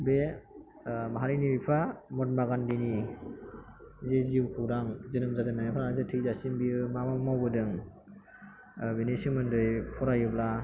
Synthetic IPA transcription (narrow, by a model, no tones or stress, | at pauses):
be | maɦaɾinibipʰamɔt̚maɡandini | zeziwkʰɯwɾaŋzɯnɯmzadɯnːamapʰaɾaazɯtʰɯjzasinbiɯmamamawbɯdɯŋ | benesimɯndɯjpʰɔɾajɯbla